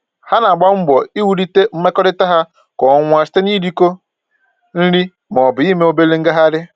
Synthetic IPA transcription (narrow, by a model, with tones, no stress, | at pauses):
ha˦na˨ɡ͡ba˦ŋ͡m̩˦ɡ͡bɔ˨i˦wu˨ɾi˦te˦m̩˦me˦kɔ˦ɾɪ˦ta˦ɦa˦ | kɔ˨ŋʷ˨a˨sɪ̥˦te˦ni˦ɾi˦ko˦ | n̩˦ɾi˦ | m˨ɔ˨bʊ˨i˦me˦o˦be˦le˦ŋ̩˦ɡa˦ɦa˦ɾɪ˦